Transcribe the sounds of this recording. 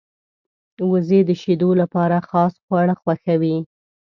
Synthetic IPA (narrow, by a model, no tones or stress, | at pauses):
wəzed̪əʃed̪olapɑɾaxɑsxwaɽəxwaxawi